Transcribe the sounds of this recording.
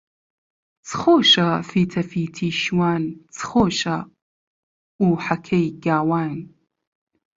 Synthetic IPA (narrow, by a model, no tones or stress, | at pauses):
t͡sʰχoːʃɐfiːtʰɐfiːtʰiːʃwaːnt͡sʰχoːʃɐ | uːħakʰɐjɡaːwaːn